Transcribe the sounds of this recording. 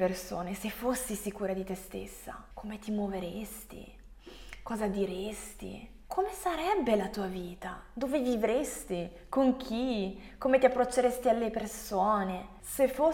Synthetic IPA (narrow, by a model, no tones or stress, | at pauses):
perso̰ːnesefːosːisikuːɾad̪it̪est̪ḛsːa̰kʰomet̪imwoveɾest̪ḭ | kɔːzad̪iɾest̪ḭ | kʰomesaɾɛbːelat̪uːaviːt̪ad̪oːvevivɾest̪i | koŋk̟ʰi | koːmet̪iapːɾot͡ʃːeɾest̪ialːepersoːne | sefːo